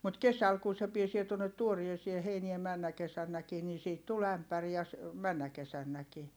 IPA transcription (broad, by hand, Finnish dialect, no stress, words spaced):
mut kesæl kun̞ se piesie tuonːet tuoriesie heinie mænːæ kesænːækiː niː siːt tul æmpær jɑ jɑ s mænːæ kesænːæki